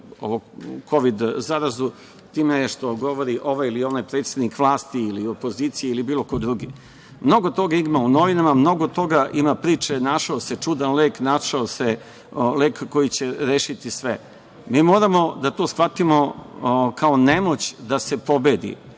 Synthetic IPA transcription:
o̰ʋokʰo̞ʋid̪zaɾazu | t̪iːmeʃt̪o̞ɡo̞ʋo̞ɾiʔo̞ʋajilio̞najpɾet̪sed̪nikʋlˠaːst̪iːlio̞po̞ziːt̪sijeilibiːlˠo̞ko̞d̪ɾuɡḭ | mno̞ɡo̞t̪o̞ɡaimauno̞ʋinamamno̞ɡot̪o̞ɡaʔimapɾiːt͡ʂenaʃaoset͡ʂud̪anleːknaʃaose | leːkːo̞jit͡ɕe̞ɾeːʃit̪isʋe | miːmo̞ːɾamo̞d̪at̪o̞ːsxʋat̪imo̞kʰao̞nemo̞t͡ɕd̪ase̞po̞bed̪ḭ

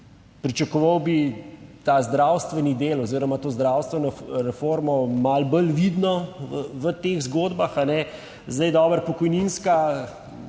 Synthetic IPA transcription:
pɾit͡ʃɐkɔʋəwbit̪azd̪ɾawst̪ʋɛnid̪eːlɔziːɾɔmat̪oːzd̪ɾaːwst̪ʋɛnɔɾɛfoːɾmɔmalbəlʋid̪nɔəʋət̪eːɣzɡoːd̪baxanɛ | zd̪ɐjd̪ɔːbəɾpɔkɔjninska

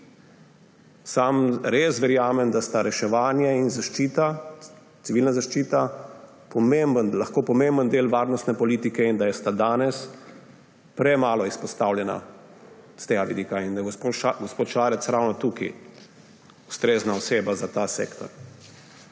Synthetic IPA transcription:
samɾesʋɛɾjaːmɛmd̪ast̪aɾɛʃɛʋaːnjɛinzaʃt͡ʃit̪a | t̪siʋiːlnazaʃt͡ʃiːt̪a | pɔmembənlaxkoːpɔmembənd̪eːlʋaːɾnɔst̪nɛpɔliːt̪ikɛind̪ajɛst̪ad̪aːnɛs | pɾɛmaːlɔispɔst̪awljɛna̰ | st̪eːɡaʋid̪iːkaind̪ajɡɔspoːt̪ʃaːɾɛt̪sɾawnɔt̪ukḭ | ust̪ɾeːznaɔseːbazat̪asḛːkt̪ɔ̰ɾ

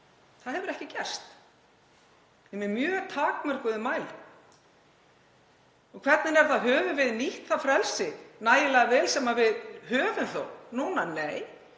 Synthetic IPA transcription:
θaðhɛvʏɾɛhcɪcɛr̥st̪ | ɛmɪmjœːt̪ʰaːkmɛr̥kʏðɪmaːjlɪ | ɔkʰv̥ɛt̪nɪnɛɾ̥θaðɦœːvʏvɪðniht̪θafɾɛlsɪnaːjɪlɛɣavɛːlsɛmavɪðɦœːvʏmθo̰wnuːnaneːj

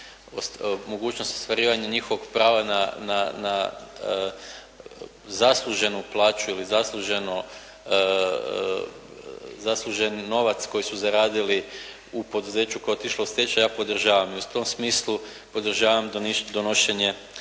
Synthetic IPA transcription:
omoɡuːt͡ɕno̞st̪ost̪ʋaɾiːʋaɲaɲixo̞ʋoɡ̥pɾaːʋananana | zaslˠuʒe̞nuplˠaːt͡ʃuilizaslˠuʒe̞no | zaslˠuʒe̞nːo̞ʋat̪sko̞jisuzaɾaːd̪ili | upo̞d̪uze̞ːt͡ɕukoeot̪iʃlosʲet͡ɕajaːpo̞d̪r̩ʒaːʋamiut̪o̞msmiːslˠu | po̞d̪r̩ʒaːʋamd̪ond̪onoʃe̞ɲe̞

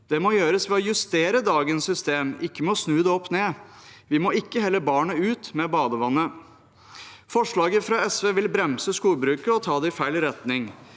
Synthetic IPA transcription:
d̪̥ɛmɔjøːɾəsʋɛɔjʉst̪eːɾəd̪ɑːɡənsːʏst̪eːmɪkːəmɛɔsnʉːd̪ɛɔpːneːʋɪmoɪkːəhɛlːəbɑːɳəʉːt̪mɛbɑːd̪əʋɑnːə | fɔʂɭɑːɡəfɾɑɛsʋeːʋɪlbɾɛmsəskuːlbɾʉːkəɾɔt̪ʰɑːd̪ɛɪfæɪɭɪɾɛt̪nɪŋ

